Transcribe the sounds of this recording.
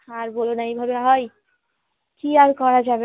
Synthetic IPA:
ãɾbolonaĩbʱɔbaɦoj | kiaɾkɔɾad͡ʒabe

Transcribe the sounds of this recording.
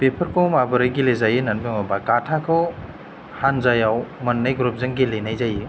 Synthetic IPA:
pepʰəɾkʰowmabɯɾɯjɡilezajinanmeŋabakatʰakʰɯw | hanzajawmɐnːajɡɾup̚zɯŋɡilenajzaji

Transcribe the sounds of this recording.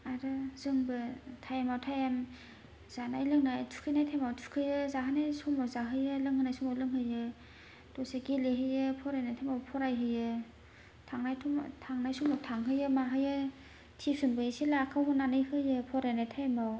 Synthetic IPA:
aɾɯzɯŋbɯtʰajamawtʰajam | z̥anajlɯŋnajtʰu̥kʰɯjnajtʰajmawtʰukʰɯjɯzaɦɯnajsumawzaɦɯjɯlɯŋhɯnajsumawlɯŋhɯjɯ | d̥ɔseɡeleɦɯjɯpʰɔɾajnajtʰajmawpʰɔɾajɦɯjɯ | tʰaŋnajtʰɔ̰tʰaŋnajsumawtʰaŋɦɯjɯmaɦɯjɯ | tʰipsunbɯsilakʰːawhunːanɯjhɯjɯpʰɔɾajnajtʰajamaw

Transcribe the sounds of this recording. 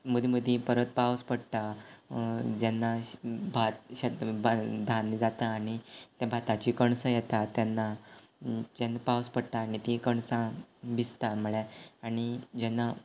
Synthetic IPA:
məd̪iməd̪ʱĩpəɾət̪̚pawspəɽt̪a | d͡ʑɛnːabʱat̪ɕəbad̪ʱand͡zat̪aːɽ̃it̪jabʱat̪at͡ɕikəɳsəjɛt̪at̪janːa | d͡ʑanːapawspəɽt̪aːɽ̃it̪ikəɳsãbist̪am̤əɭɛaɽ̃id͡ʑɛnːa

